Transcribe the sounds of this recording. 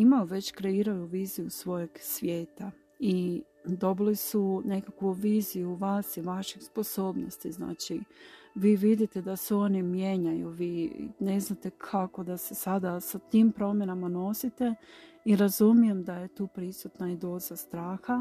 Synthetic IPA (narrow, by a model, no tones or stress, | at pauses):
imaoʋe̞t͡ɕkɾe̞iɾajuʋiːzijusʋo̞je̞ɡsʋje̞ːt̪a | i | d̪o̞bilisune̞kakʋuʋiːzijuʋaːsiʋaʃespo̞so̞ːbnost̪izna̰ːt͡ʃiʋiːʋid̪it̪e̞d̪aseo̞nimje̞ɲajṵʋḭːne̞znat̪e̞kʰako̞d̪ase̞sad̪asat̪impɾo̞mje̞namano̞sit̪e̞ | iɾazumije̞md̪aje̞t̪uːpɾisut̪naid̪o̞zast̪ɾaːxa